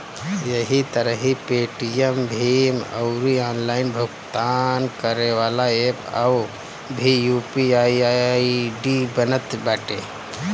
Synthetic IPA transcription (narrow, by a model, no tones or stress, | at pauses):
jəɦit̪əɾəɦipeːʈijembʱimə̰ʊɾiãːnlaːɪnbʱʊɡt̪ankəɾeʋaːlaepa̰w | bʱijuːpiaiaɖibənət̪bɛːʈe